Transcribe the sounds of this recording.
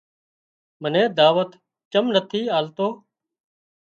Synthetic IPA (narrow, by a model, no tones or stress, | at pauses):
mənẽːd̪aːʋət̪ | t͡ʃəmnət̪ʰiːaːlt̪oː